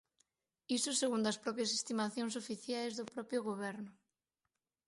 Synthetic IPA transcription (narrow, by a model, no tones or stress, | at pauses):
isʊseɣund̪ɐspɾɔpjɐsest̪imaθjõŋs̬ofiθjajzðʊpɾɔpjʊɣoβɛɾnʊ